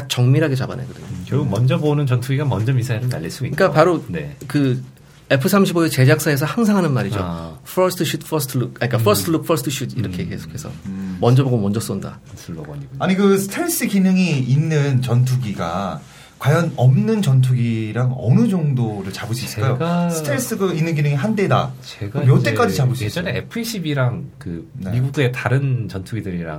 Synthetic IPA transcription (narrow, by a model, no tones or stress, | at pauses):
at͡ɕʌŋmiɾɦaɡe̞t͡ɕaba̰neɡʌdɯɲookjʌɡuɡmʌnd͡ʑʌbonɯnt͡ɕʌntʰuɡiɡamʌnd͡ʑʌmisʰaiɾɯna̰ʎːiɭs͈u̥ik͈apaɾonekɯ | e̞pʰɯsʰamɕʰibodet͡ɕe̞d͡ʑak̚s͈aes̬ʰʌhaŋs̬ʰaŋɦanɯnmaɾid͡ʑo̰pʰʌsʰtʰɕʰutpʰʌsʰtʰɯɭuk̚aɲik͈afʰʌsʰtʰɯluk̚pʰʌsʰtʰɯɕʰudiɾʌkʰe̞ke̞sʰo̥kʰesʰʌ̰mʌnd͡ʑʌboɡomʌnd͡ʑʌs͈onda̰ | aɲikɯsʰɯ̥tʰeɭs͈ɯkinɯŋiinːɯnt͡ɕʌntʰuɡiɡa̰ | kwajʌnʌmnɯnt͡ɕʌnt̬ʰuɡiɾaŋʌnɯd͡ʑʌŋdoɾɯɭt͡ɕabɯɕʰis͈ajoasʰɯtʰeɭs͈ɯɡɯinːɯnɡinɯŋiɦande̞da̰t͡ɕeɡamjot͈e̞k͈ad͡ʑit͡ɕabɯɕʰed͡ʑʌneḛpʰɯiɕʰibiɾaŋkɯmiɡuɡe̞taɾɯnt͡ɕʌntʰuɡidɯɾiɾa̰ŋ